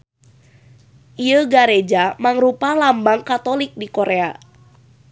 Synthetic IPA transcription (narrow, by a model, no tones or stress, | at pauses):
ʔiəɡaɾed͡ʒamaŋɾupalambaŋkat̪olɪk̚dikoɾea